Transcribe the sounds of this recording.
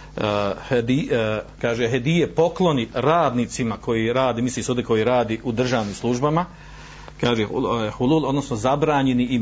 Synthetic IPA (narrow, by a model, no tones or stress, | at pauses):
hd̪ikaːʒeɦed̪ijepo̞klˠo̞niɾaːd̪niːt̪simakʰo̞jiɾaːd̪iːmislisuːd̪eko̞jiɾaːd̪iʔud̪r̩ʒaːʋniːmslˠuʒbama | kaːʒehululˠo̞d̪no̞sno̞zabɾaːɲe̞nii